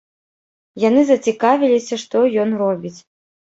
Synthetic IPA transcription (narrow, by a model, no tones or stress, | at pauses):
janɨzɐt͡sʲikavʲilʲisʲɐʂt̪ɔjɔnrɔbʲit͡sʲ